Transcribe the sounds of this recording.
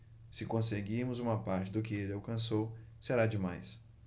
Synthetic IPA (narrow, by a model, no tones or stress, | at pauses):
sɪkõseɡiɾmʊzũmɐpaɾt͡ʃɪd̪ʊkɪelɪawkɐ̃sowseɾad͡ʒɪma̰js